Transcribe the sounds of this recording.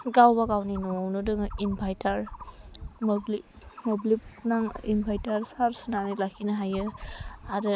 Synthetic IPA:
ɡawbaɡawninɔnɯdɯŋimpʰajtaɾ | mɔbli | mɔblip̚naŋimpʰajtaɾsaɾsɯnanilakʰinaɦajɯaɾɯ

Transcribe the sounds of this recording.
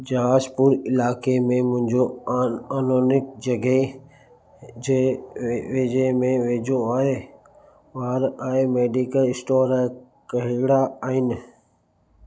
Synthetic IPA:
d͡ʒɐɦaːzpʊɾɪlaːkemẽmʊ̃ɦɪ̃ɲd͡ʒoaːnoːnɪk̚d͡ʒɐɡəe | e | ʋeːd͡ʒemẽʋeːd͡ʒõaːɦe | ʋaːɾaːɦemeːɖikəlɪsʈoːɾ | kəɦɪɡɽaaːɦɪnɪ

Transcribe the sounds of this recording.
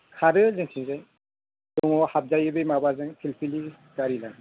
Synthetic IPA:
kʰaɾɯzɯŋkʰiŋzaj | dɔŋɔhab̚zajɯbɯjmabazɯŋpʰilpʰili | ɡaɾilan

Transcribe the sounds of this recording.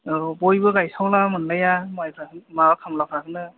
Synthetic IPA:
ɔbojbɯɡajsawlamɯnlajamajkʰamaakʰamlakʰɾakʰɯnɯ

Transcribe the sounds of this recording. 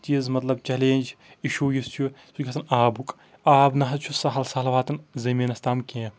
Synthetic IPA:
t͡ʃizmɐt̪lɐb̚t͡ʃɐleːnʲd͡ʒ | iʃuːjist͡ʃʰusʰukʲʰɐt̪ɐnaːbuk | aːbnɐɦɐt͡ʃʰusɐɦɐlsɐlʋaːt̪ɐnzɐmiːnɐst̪aːmkẽː

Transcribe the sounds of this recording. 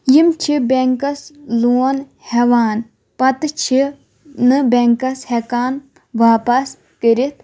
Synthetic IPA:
jimt͡ʃʰibʲeŋkɐsluːɐn | hɛʋaːn | pɐt̪ɨt͡ʃʰi | nɨbʲeŋkɐshɛkaːn | ʋaːpɐs | kəɾit̪̚ʰ

